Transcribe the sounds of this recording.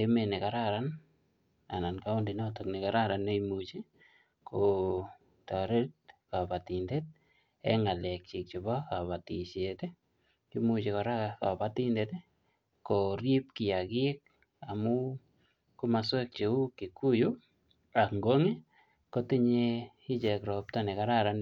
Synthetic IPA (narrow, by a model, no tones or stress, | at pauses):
emenekaɾaɾan | a̰nankaʊndinɔtoknikaɾaɾanejmut͡ʃe | kʰo | taɾetkapatindet̚ | ɛ̰ŋalɛk̚t͡ʃik̚t͡ʃibakapatit͡ʃete | kimut͡ʃekɔɾakakapatindete | koɾip̚kɪjakɪek̚ | amu | komaswek̚t͡ʃeukːikːuju | akŋɡoŋe | kotiɲe | it͡ʃɛkɾɔp̚tanekaɾaɾan